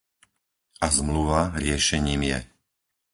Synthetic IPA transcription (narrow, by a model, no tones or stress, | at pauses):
azmluʋaɾɪɛʃɛɲiːmjɛ̰